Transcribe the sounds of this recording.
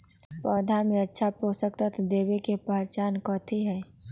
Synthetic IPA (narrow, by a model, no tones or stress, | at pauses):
pɔːd̪ʱamẽɐtːʃʰapoːsəkt̪ət̪ʰd̪eːwekepɐɦt͡ʃaːnkɔ̃ːt̪ʰiɦɛː